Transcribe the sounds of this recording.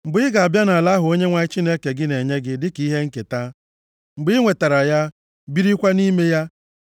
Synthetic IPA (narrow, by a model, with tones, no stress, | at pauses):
ŋ͡m̩˨ɡ͡bʊ˨˦ɪ˦ɡa˨a˨bja˦na˨la˦ɦʊ˨o˦ɲe˦ŋʷa˨ɪ˦t͡ʃi˦ne˦ke˨ɡɪ˦ne˨ɲe˦ɡɪ˦dɪ˦ki˦ɦe˦ŋ̩˦ke˨ta˦ | ŋ͡m̩˨ɡ͡bɪ˦ŋʷe˨ta˨ɾa˨ja˦ | bi˦ɾi˦kʷa˦ni˦me˦ja˦